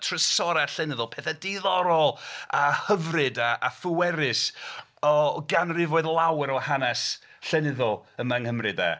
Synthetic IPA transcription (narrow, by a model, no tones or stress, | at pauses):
tʰrəsɔɾaɬɛnɪðʊlˠpʰɛθadiðɔɾɔlˠahəvrɨdaʔːfʊwɛɾɨs | ɔɡanrɪvoɨðlˠawɛɾɔhanɛsɬɛnɪðɔlˠəmaŋhəmrɨda̰